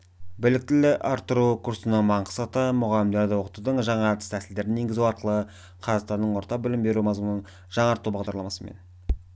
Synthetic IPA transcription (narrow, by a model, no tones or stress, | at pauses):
bɪlɪk̚t̪ɪlɪʔɑɾt̪ːəɾukʰuɾsənəɴmɑɴqə̥sɑt̪əmʊʁɑlɪmd̪eɾd̪ɑwoqət̪ud̪əɴʒɑɴɑt̪ə̥st̪ʰæsɪld̪e̞ɾɪnje̞ŋɡɪzuɑɾqəlˠə | qʰɑzɑqst̪ɑnd̪əɴwo̞ɾt̪ɑq̚bɪlɪmbe̞ɾumɑzmənəɴ | ʒɑɴɑɾt̪ːubɑʁd̪ɑɾlˠɑmɑsəmḛn